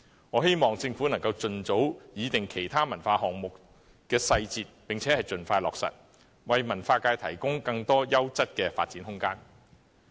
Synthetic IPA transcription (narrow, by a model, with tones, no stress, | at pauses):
ŋɔː˨˧ɦe˥jmɔː˨ŋt͡sɪ˧ŋfuː˨˥nɐ˨˩ŋkɐ˧wt͡sɵ˨˧nt͡so˨˥wjiː˨˧t̪ɪ˨ŋkʰe˨˩jt̪ʰaː˥mɐ˨˩nfaː˧ɦɔː˨ŋmʊ˨k | kɛː˧sɐ˧jt͡siː˧t̚pɪ˨ŋt͡sʰɛː˨˥hɐ˨jt͡sɵ˨nfaː˧jlɔː˨k̚sɐ̰˨t̚ | wɐ˨jmɐ˨˩nfaː˧kaː˧jt̪ʰɐ̰˨˩jkʊ˥ŋkɐ˧ŋt̪ɔː˥jɐ˥wt͡sɐ˥t̚kɛː˧fa̰ː˧t̚t͡siː˨˥nhʊ˥ŋkaː˥n